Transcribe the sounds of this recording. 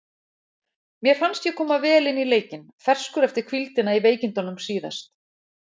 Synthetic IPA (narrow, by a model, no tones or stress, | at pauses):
mjɛɾ̥fanst̪jɛkʰɔːmavɛːlɪnːileːjcɪnfɛr̥skʏɾɛft̪ɪɾ̥kʰvilt̪ɪnaiveːjcɪnt̪ɔnʏmsiːða̰st̪